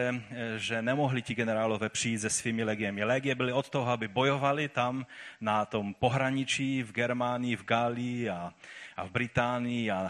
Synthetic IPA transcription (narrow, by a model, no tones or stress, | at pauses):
ɛʒɛnɛmoɦlicɪɡɛnɛɾaːlovɛːpr̝̥ijiːd̪zɛsviːmilɛɡɪjɛmɪlɛɡɪjɛbɪlɪot̪t̪oɦɔabɪbojovalɪt̪amnat̪ompoɦɾaɲit͡ʃiːvɡɛɾmaːnɪjivɡaːlijiaʔavbɾɪt̪aːnɪjia